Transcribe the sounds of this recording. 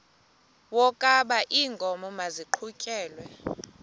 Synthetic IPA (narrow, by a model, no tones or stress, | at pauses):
wɔkʼaɓaʔiːŋɡʱɔmɔmaziǃʰucʼɛːlwɛ